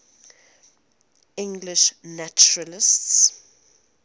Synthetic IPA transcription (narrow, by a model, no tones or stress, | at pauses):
ɪ̃ŋɡlɪʃnat͡ʃuɹəlɪsts